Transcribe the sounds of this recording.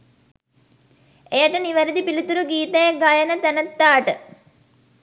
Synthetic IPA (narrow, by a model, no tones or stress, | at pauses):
ejaʈəniʋæɾid̪ipilit̪uɾuɡiːt̪ajaɡajənət̪ænɐt̪ːaːʈə